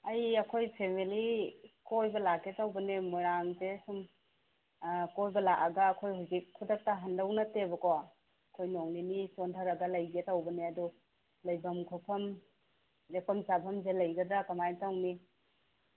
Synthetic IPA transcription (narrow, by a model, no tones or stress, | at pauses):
ɐjɐkʰojpʰemilikojbɐlaketawbɐnemujɾaŋzesum | kojbɐlaʔɐɡɐːkʰojhuwzikʰːudɐk̚tɐɦɐndɐwnɐtebɐkowa | ɐkʰojnɔŋninisɔndʰʱɐɾɐɡɐlɐjɡetawbɐneɐdu | lɐjbɐmkʰɔpʰɐm | jepʰɐmsabʰɐmzelɐjɡɐdɐkɐmajtawni